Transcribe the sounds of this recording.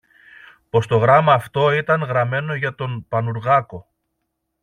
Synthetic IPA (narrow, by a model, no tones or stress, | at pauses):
po̞st̪o̞ɣɾɐmɐːft̪o̞it̪ɐŋɣɾɐme̞no̞ʝɐt̪o̞npɐnuɾɣɐko̞